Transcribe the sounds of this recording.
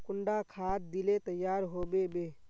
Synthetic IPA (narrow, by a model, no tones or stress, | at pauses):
kʊɳɖakʰat̪̚d̪ilet̪əjːaɾɦobebe